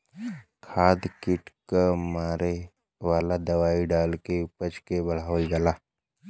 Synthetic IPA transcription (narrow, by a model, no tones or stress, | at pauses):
kʰaːd̪kɪʈkamaːɾe | ʋaːlad̪ɐʋaːiɖaːlkepət͡ʃkebɐɭ̤aːəld͡ʒaːlaː